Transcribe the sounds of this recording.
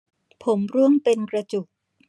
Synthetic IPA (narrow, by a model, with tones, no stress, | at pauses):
pʰo˩˦mɾu˥˩əŋpe˧nkɾa˧t͡ɕu˨˩k̚